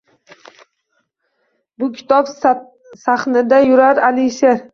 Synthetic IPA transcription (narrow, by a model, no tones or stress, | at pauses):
bʊkʲʰɪ̥t̪ʰɒp | saχnɪd̪ajʊɾaɾalɪʃeɾ